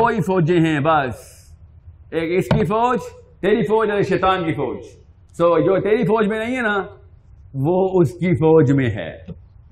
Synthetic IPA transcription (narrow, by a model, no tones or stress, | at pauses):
oːifɔːd͡ʒẽɦɛ̃bɐs | eːkɪskifɔːd͡ʒt̪eːɾifɔːd͡ʒɐɾeʃeːt̪aːnkifɔːd͡ʒ | soːd͡ʒoːt̪eːɾifɔːd͡ʒmẽnɐɦĩɦɛna | ʋoːʊskifɔːd͡ʒmẽɦɛ̰ː